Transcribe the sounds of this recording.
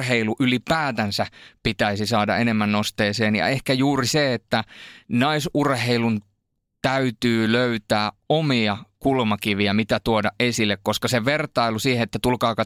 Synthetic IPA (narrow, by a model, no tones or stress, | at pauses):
heiluʔylipæːt̪ænsæpit̪æisisɑːdɑ̰ʔenemːænnost̪eːseːnjɑ̰ehkæjuːriseet̪ːænɑisurheilun | t̪æyt̪yːløyt̪æːomiɑkulmɑkiʋiæmit̪æt̪uodɑʔʔesilːekkoskɑseʋert̪ɑilusiːheet̪ːæt̪ulkɑːkɑ